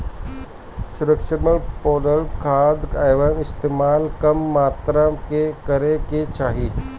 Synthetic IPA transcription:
sʊɾəkʃəɾməɽpɔːd̪əɭkʰaːd̪aːʋəmɪst̪eːmaːlkɐmːaːt̪ɾəkekɐɾeket͡ʃaːɦiː

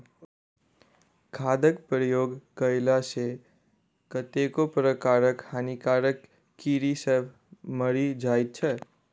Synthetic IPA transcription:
kʰaːd̪əkpɾəjoːɡkəɪlase | kət̪ekopɾəkaːɾəkhaːnikaːɾəkː | iɾisəbʱ | məɾid͡ʒaːit̪̚t͡ʃʰɛ

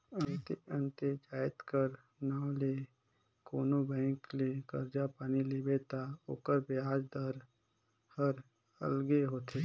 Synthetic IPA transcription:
ənt̪eə̃nt̪ed͡ʒaːɪt̪kəɾ | naːõleː | koːnobɛ̃ːŋklekəɾd͡ʒapaːnilebet̪ao̰ːkəɾbɪaːd͡ʒd̪əɾ | həɾ | ə̰lɡeɦoːt̪eː

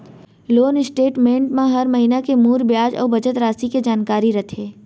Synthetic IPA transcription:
loːnɪsʈeːʈmẽːɳʈmãɦɐɾmɐɦiːnakemuːɾbjaːd͡ʒɔ̰ːɾbɐt͡ʃət̪ɾaːsiked͡ʒaːnkaːɾiɾɐt̪ʰeː

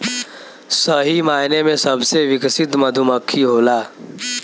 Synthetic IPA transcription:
səɦimainemesəbʱseʋiksit̪məd̪ʱuməkʰːiɦola

